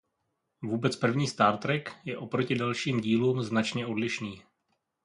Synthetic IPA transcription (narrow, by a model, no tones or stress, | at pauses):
vuːbɛt͡spr̩vɲiːst̪aːɾt̪ɾɛkjɛʔo̞pɾo̞cɪdalʃiːmɟiːluːmznat͡ʃɲɛo̞dlɪʃniː